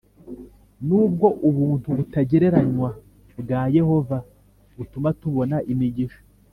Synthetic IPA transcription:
nuːb̚ɡo̞ʔuβuːnhuβutaɟe̞ɾe̞ɾaɲwa | bɡaːje̞ho̞va | βutumatuβo̞naʔimiɟiʃo̥

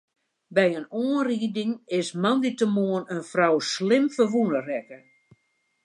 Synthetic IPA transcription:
bɛjənoənriːdɪŋɪsmanditəmoənənfrawslɪmfəʋunərɛkə

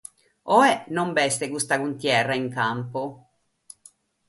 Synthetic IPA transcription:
ɔɛnombɛst̪ekust̪akunt̪jɛrːaiŋkampo

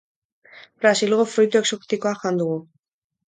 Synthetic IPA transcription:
bɾasilɣofɾujt̪ueksokt̪ikoaxand̪uɣu

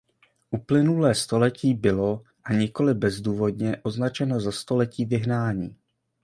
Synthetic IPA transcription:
ʔuplɪnulɛːst̪o̞lɛciːbɪlo̞ | ʔaɲɪko̞lɪbɛzduːvo̞dɲɛʔo̞znat͡ʃɛno̞zast̪o̞lɛciːvɪɦnaːɲiː

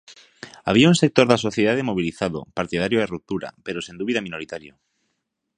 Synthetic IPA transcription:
a̰β̞iaũnsek̚t̪oɾðasoθjeð̞aðemoβ̞iliθaðo̰paɾt̪ið̞aɾjoaerup̚t̪uɾa̰peɾosend̪uβiðamĩnoɾit̪aɾjo

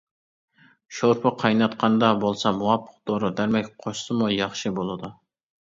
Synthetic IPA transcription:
ʃoɾpʰɨqʰɑjnɑt̪qʰɑnd̪ɑbolˠsɑmuwɑpʰːə̥q̚d̪oɾud̪æɾmɛkʲqʰoʃsɨmujɑχʃɨbolˠɨd̪u

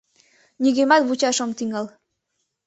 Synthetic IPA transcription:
niɣemɑt̪βut͡ɕɑʃɤ̆mt̪iŋəl

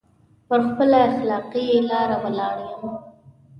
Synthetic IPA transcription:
pəɾxpəlaaxlɑːqielɑːɾaməlɑːɽjama

